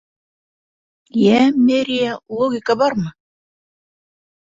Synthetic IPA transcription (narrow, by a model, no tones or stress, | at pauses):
jæmʲeɾʲijalˠoɡʲɪkabɑɾmɤ